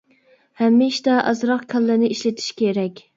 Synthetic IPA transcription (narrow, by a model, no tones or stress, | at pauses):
hɛmːɪʃt̪ɛʔɑ̰zɾɑqkʲʰɛlːɪnɪiʃlɪt̪ʰi̥ʃkʲʰeɾɛkʲ